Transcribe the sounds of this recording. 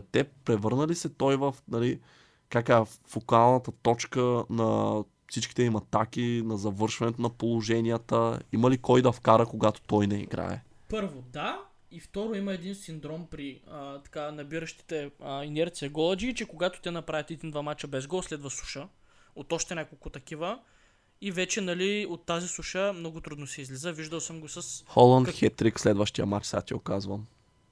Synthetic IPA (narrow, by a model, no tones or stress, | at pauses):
t̪ɛpɾɛvɤɾnəlisɛt̪ɔjvəfnɐli | kakaɛfokalˠnɐt̪ət̪ɔt͡ʃkənɐ | fsit͡ʃkʲi̥t̪ɛimɐt̪ak̟inɐzɐvɤɾʃvɐnɛt̪onɐpolˠoʒɛnʲiət̪əimɐlikɔjd̪ɐfkaɾəkoɡat̪o̥t̪ɔjnɛḭɡɾa̰ɛ̰ | pɤɾvod̪a | ift̪ɔɾoimɐɛd̪insind̪ɾɔmpɾiət̪ɐ̥kanɐbiɾəʃt̪i̥t̪ɛəinɛɾt̪sijɐɡɔlˠɐd͡ʒiːt͡ʃɛkoɡat̪o̥t̪ɛnɐpɾavʲit̪ɛd̪ind̪vamat͡ʃəbɛzɡɔlˠslɛd̪vɐsu̥ʃə | ot̪ɔʃt̪ɛnʲakolˠkʊt̪ɐkivə | ivɛt͡ʃɛnɐliot̪ːazisuʃəmnɔɡʊt̪ɾud̪nosɛizlizəviʒd̪əlˠsəmɡosəsxɔlˠənt̪xɛt̪ɾikslɛd̪vəʃt̪ijə̰mat͡ʃsat̪ʲiɛokazvəm